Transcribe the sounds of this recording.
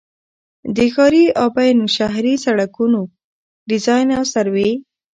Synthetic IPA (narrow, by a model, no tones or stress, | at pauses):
d̪əxɑɾiɑbajnuʃaɦɾisaɽakuno | ɖɪzɑjnawsaɾwe